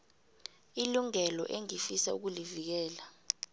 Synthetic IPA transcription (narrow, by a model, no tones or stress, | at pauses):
iluŋɛlɔ̰ʔeŋifisauk̬ulivik̬ɛːla